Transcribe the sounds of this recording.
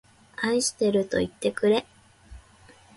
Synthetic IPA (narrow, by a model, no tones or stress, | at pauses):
aiɕi̥t̪e̞ɾɯ̟t̪o̞it̪ːe̞kɯ̟ɾe̞